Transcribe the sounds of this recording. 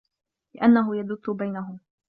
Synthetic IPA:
lɪʔanːaɦʊjad̪ʊt̪ːʊbajnaɦʊm

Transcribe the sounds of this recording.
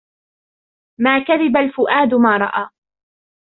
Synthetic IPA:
maːkaðɪbalfʊʔaːd̪maːɾˤɑ̰ʔaː

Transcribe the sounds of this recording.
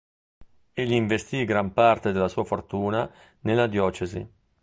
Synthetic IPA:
eʎːiːɱvest̪iɡɾampart̪ed̪elːasuːafort̪uːna | nelːad̪jɔːt͡ʃezḭ

